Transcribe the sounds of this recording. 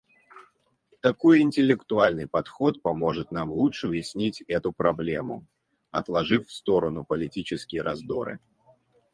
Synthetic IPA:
t̪ɐko̞jɪnʲtʲɪlʲːɪkt̪ʊalʲnɨjpɐt̪xo̞t̪̚pɐmo̞ʐɨt̪namlˠuʂɨʊvjɪsʲnʲitʲɛt̪ʊpɾɐblʲemʊ̰ | ɐ̰t̪lˠɐʐɨfʲfst̪o̞ɾənʊpəlʲɪtʲit͡ɕɪskʲɪjəɾɐzd̪o̞̰ɾɨ̰

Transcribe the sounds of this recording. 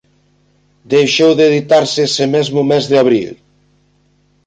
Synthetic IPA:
d̪ejʃowðeðit̪aɾseesemezmʊmezðɪaβ̞ɾḭl

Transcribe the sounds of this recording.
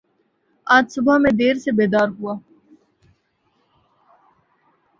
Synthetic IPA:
aːd͡ʒsʊbamẽd̪eːɾsebeːd̪aːɾɦuaː

